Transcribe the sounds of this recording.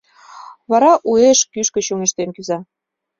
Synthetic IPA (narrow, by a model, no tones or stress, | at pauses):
βɑɾɑʔueʃkyʃkə̆t͡ɕuŋeʃt̪enkyzɑ